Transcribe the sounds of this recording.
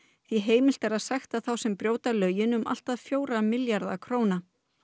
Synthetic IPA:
θiɦeːjmɪl̥t̪ɛɾaðsajxt̪aθawsɛmpɾjoːwt̪alœːɥjɪnʏmʔa̰l̥t̪aðfjoːwɾamɪljaɾðakʰɾoːwna

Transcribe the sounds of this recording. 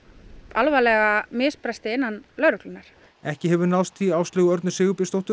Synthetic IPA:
alvalɛɣamɪːspɾɛst̪ɪɪnːanlœːɾʏklʏnaɾ̥ | ɛhcɪɦɛvʏnaw̪st̪iaːwslɪːɣʏœɾt̪nʏsɪːɣʏpɪst̪owht̪ʏ

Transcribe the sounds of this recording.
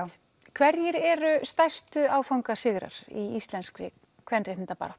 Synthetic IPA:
kʰvɛɾjɪɾɛɾʏst̪ajst̪ʏaːwfawŋkasɪɣɾa̰ɾ̥iist̪lɛnskɾɪ | kʰvɛrnrejh̪t̪apa̰ɾat̪

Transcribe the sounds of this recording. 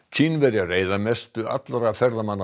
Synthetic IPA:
cʰinvɛɾjɪareːjðamɛst̪ʏa̰t̪laɾafɛɾðamanːa

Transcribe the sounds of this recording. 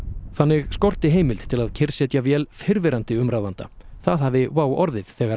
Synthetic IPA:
θanːɪɣskɔr̥t̪ɪɦeːjmɪlt̪t̪ʰɪlaðcʰɪɾ̥sjɛːt̪javjɛːlfɪɾvɪɾant̪ɪʏmɾawvant̪a̰θaðhavɪvaːwɔɾðɪð̥θɛːɣaɾ

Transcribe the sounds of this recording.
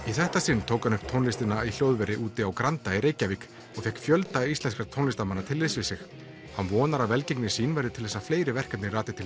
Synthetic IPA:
iθɛht̪asɪnːt̪ʰoːwkhanʏhp̚t̪ʰownlɪst̪ɪnail̥jowðvɛɾɪʔuːt̪ɪawkɾant̪aiɾeːjcavik | ɔɣfjɛhkfjœlt̪aist̪ɛnskaɾt̪ʰonlɪst̪amanːat̪ʰɪlvɪsvɪsɪx | hanvɔːnaɾavɛlceknɪ̥siːnvɛɾðɪt̪ʰɪlθɛsːafleːjɾɪvɛr̥kat̪nɪraːt̪ɪt̪ʰɪl

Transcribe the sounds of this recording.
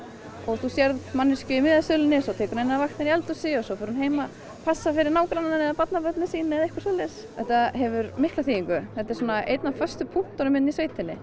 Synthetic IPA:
ɔɣθusjɛɾðmanːɪscʏimɪːðasœːlɪnɪsɔwt̪ʰɛːkʏɾnɪnːavaxt̪ɪniɛlt̪ʏsɪɔsɔfʏɾnɦeːjma | pʰasːafɪɾɪɾnaːwkɾanananɛðapat̪napœt̪nɪsiːnɪɛðehkvaɾsɔlɛs | θɛht̪aɦɛvʏɾmɪhklaθiːiŋkʏθɛt̪ːɛɾ̥suːnaḛjt̪nafœ̥st̪ʏpʰuht̪ɔɾʏmɪnːisveːjt̪ɪnːɪ

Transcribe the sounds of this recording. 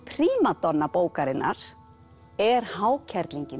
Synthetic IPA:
pʰɾiːmat̪ɔnːapoːwkaɾɪnːʔa̰ɾ̥ | ɛɾ̥haːwcʰɛɾk̪liɲcɪn

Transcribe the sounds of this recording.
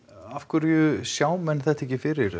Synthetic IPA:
afkʏɾjʏsjaːwmɛnːθɛht̪ɛcɪfɪɾɪɾ

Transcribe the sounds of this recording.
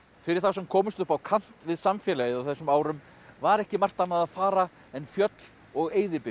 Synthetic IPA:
fɪɾɪɾ̥θawsɛmkʰɔːmʏst̪ʏhpawkʰan̥t̪vɪðsamfjɛlajɪðawθɛsːʏmaːwɾʏm | vaɾɛhcɪmar̥t̪anːaðaðfaːɾa | ɛnfjœt̪l̥ | ɔɣeːjðɪpɪ

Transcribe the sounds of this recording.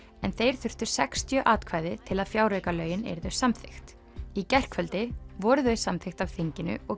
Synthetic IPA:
ɛnθejɾ̥θʏr̥t̪ʏɾ̥sɛkst̪ʰjœʔaːt̪kʰvaːjðɪt̪ʰɪlaðfjaːwɾœɥkalœːɥjɪnɛ̰ɾðœɥsamθɪxt̪ | icɛr̥kʰvœlt̪ɪvɔɾʏðœɥsamθɪxt̪avθiɲcɪnʏ̰ɔɣ

